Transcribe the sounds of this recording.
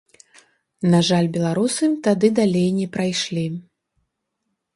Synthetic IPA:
naʐalʲbʲɛlˠaɾusɨmt̪ad̪ɨd̪alʲejnʲɛpɾajʂlʲi

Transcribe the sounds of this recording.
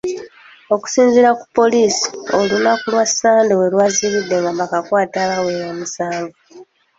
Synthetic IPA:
o̞ku̥siːnziɾaku̥pːo̞liːsi̥o̞lunakulwasaːndewe̞lwaːziβidːe̞ŋɡambakakwaːtaβawe̞jamusaːŋɡo

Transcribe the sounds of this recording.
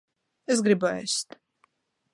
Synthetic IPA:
ɛs̬ɡɾibaɛ̰st̪ʰ

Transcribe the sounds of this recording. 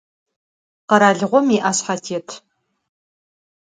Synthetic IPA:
qɐɾaːɮʁʷɔmiʔaːɕħatʰeːtʰ

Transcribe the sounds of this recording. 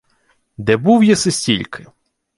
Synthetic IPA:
d̪ɛbuwjɛsɪsʲtʲilʲkʰɪ

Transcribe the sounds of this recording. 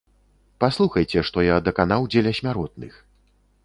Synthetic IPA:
paslˠuxɐjt͡sʲɛʂt̪ɔjad̪ɐkanawd͡zʲelʲɐsʲmʲaɾɔt̪̚nɨ̰x

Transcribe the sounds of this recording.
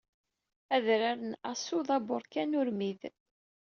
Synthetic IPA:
æðɾaɾənæsuðˤɑbʊɾkænʊɾmið

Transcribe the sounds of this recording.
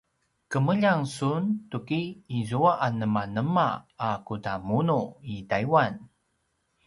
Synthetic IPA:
kəməʎaŋsuntukiːzuaʔanəmanəmaːkutamunuitaiwan

